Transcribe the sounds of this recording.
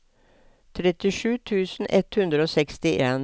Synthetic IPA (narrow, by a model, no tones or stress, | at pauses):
t̪ʰɾɛt̪ɪʂʉːt̪ʰʉːsn̩ʔɛt̪hʉnd̪ɾəoːsɛkst̪ɪʔeːn